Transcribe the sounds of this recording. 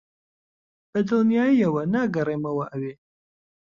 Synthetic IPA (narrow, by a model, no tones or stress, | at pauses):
b̥ɐd̪ɨlˠnijaːjiɐwɐnaːɡɐreːmɐwɐʔɐweː